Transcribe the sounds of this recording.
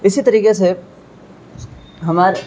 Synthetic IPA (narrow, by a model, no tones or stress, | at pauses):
ɪsit̪ɐɾiːkese | ɦɐmaːɾ